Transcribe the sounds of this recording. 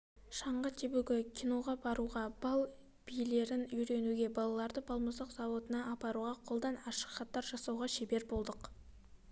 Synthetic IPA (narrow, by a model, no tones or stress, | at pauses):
ʃɑɴʁɑt̪ʰebuɡʲɪkʲʰijno̞ʁɑbɑɾuʁɑb̥ɑlˠ | b̥ijle̞ɾɪnʏjɾe̞nuɡʲe̞bɑlˠɑlˠɑɾd̪əbʰɑlˠməzəqz̥ɑwo̞t̪ənɑʔɑpɑɾuʁɑqʰo̞lˠd̪ɑnɑʃə̥qχɑt̪ːɑɾʒɑsɑwʁɑʃebe̞ɾbo̞lˠd̪əq